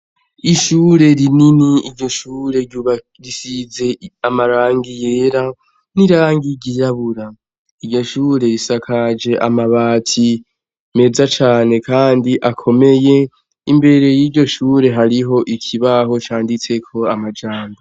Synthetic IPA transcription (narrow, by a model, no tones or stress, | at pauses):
iʃuːɾe̞ɾininiiɾɟo̞ʃuːɾe̞ɟuβa | ɾisize̞amaɾaːŋɡijeːɾa | niɾaːŋɡiɟijaβuɾa | iɾɟo̞ʃuːɾe̞ɾisakʰad͡ʒe̞ʔa̰maβaːtʰi | me̞zat͡ʃaːne̞kʰaːndiʔakʰo̞me̞je̞ | imbe̞ɾe̞jiːɾɟo̞ʃuːɾe̞ɦaɾiɦo̞ʔikʰiβaɦo̞t͡ʃaːndit͡se̞kʰo̞amad͡ʒaːmbo